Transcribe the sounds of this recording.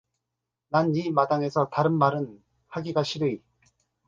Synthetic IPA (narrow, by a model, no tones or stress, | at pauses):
nanimadaŋe̞sʰʌtaɾɯnmaɾɯn | haɡiɡaɕʰiɾɯi